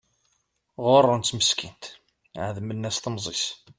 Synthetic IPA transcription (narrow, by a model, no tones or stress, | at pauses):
ʁorˤːʊnt̪məskint̪ | ʕəðmənːæsθəmzˤis